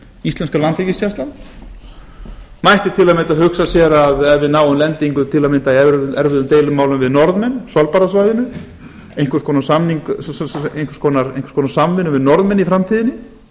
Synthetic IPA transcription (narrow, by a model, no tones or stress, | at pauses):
islɛnskalant̪fɛcɪsjast̪lan | majht̪ɪt̪ʰɪlamɪnt̪aðhʏksasjɛɾaðɛvɪðnaːwʏmlɛnt̪iŋkʏt̪ʰɪlamɪnt̪aiɛɛɾvʏðʏmt̪eːjlʏmːaːwlʏmvɪðnɔɾðmɛnsalpaɾas̬vajðɪnʏ | ejnkvɛɾskʰɔːnasamniŋkejnkʰfɾ̥skʰɔnaɾenkfɾ̥skʰɔnasamvɪnʏmvɪðnɔɾðmɛnifɾamt̪ʰiːðɪnːɪ